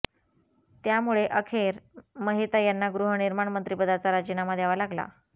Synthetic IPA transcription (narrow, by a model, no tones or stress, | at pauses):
t̪jamuɭeʔəkʰeɾməɦit̪ajanːaɡɾuɦəniɾmaɳmənt̪ɾipəd̪at͡saɾad͡ʑənaməd̪ʱːjaʋalaɡla̰